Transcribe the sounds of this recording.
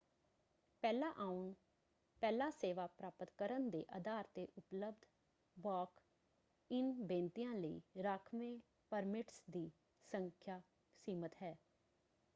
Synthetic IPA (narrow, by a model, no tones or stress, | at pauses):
pɛːlãːʔaːʊn | pɛːlaːseːʋaːpɾaːpət̪kəɾənd̪ḛːʔəd̪aːɾt̪eːʔʊpləbd̪ʱ | bɔːk | ɪnbẽːnt̪ijãːləḭːɾaːkʰmẽː | pəɾmɪʈsd̪iː | səŋkʰjaː | siːmət̪ɦɛː